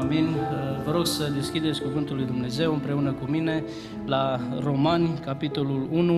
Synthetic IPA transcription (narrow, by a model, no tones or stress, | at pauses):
vinʲvəɾo̞ɡsəd̪e̞skʲid̪et̪sʲkuvɨnt̪ulːujd̪umne̞ze̞wɨmpɾe̞unəkumine̞ | laro̞manʲkapit̪o̞lulunu